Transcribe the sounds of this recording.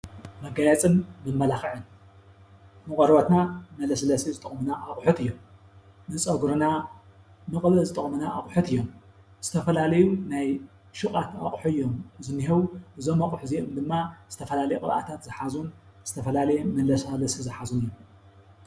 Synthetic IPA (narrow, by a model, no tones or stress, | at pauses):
mɐɡajat͡sʼɨnmɨmːɐlaxɨʕɨn | nɨkʼɐɾbɐt̪namɐlɐslɐsizɨt̪ʼɨχʼmunaʔakʼħut̪ɨjːom | nɨt͡sʼɐɡuɾɨna | nɨkʼɨβɨzɨt̪ʼɨχʼmunaʔa̰χʼħut̪ɨjːo̞m | z̥ɨt̪ʰɐfɐlalɐjunaj | ʃukʼat̪aχʼħuɨjːomzɨnːiɦɐwuʔɨzomaqʼħuziʔɨmd̪ɨmːaz̥ɨt̪ʰɐfɐlalɐjukʼɨβa̰t̪ʰat̪zɨħazunz̥ɨt̪ʰɐfɐlalɐjɛmɐlɐsalɐsizɨħazunɨjːom